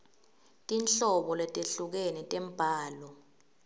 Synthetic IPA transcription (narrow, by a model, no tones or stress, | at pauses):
tʼinɬɔɓɔlɛtʼeɬuk̬ɛnɛtʼɛm̩b̥ʱaːlɔ